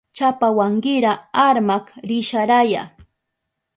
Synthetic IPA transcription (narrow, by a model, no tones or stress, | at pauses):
t͡ʃapawaŋɢɪɾaaɾmakɾɪʃaɾaja̰